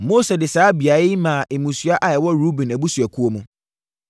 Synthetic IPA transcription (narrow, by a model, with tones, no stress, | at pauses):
mo˦sɛ˨dɪ˨saː˦bi˨a˨˦ɪ˦mãː˨ʔɪ˨mũ˨sɥa˦ʔa˨jɛ˨wɔ˦ɾu˦bĩ˨næ˨bu˦sɥæ˨kʰu˦o˦mũ˨˦